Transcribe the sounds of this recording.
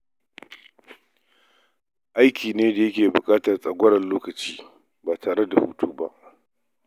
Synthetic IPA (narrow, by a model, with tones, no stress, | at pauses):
ʔa˦jkʲiː˨neː˦da˨jɐ˦kʲeː˨bʊ˨kʼaː˦tɐ˨rsʼɐ˨ɡʷɐ˦ɽɐ˨nloː˦kɐ˨t͡ʃiː˦ | baː˨tʰaː˨ɽe˦da˨hṵ˦tʰuː˦ba̰˦ʔ